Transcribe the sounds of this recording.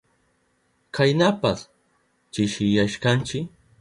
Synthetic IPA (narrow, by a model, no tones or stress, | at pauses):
kʰajnapas | t͡ʃɪʃɪjaʃkant͡ʃɪk